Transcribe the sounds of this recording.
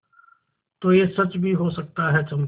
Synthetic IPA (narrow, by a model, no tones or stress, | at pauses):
t̪oːjesɐt͡ʃbʱiɦosɐk̚t̪aɦɛt͡ʃɐm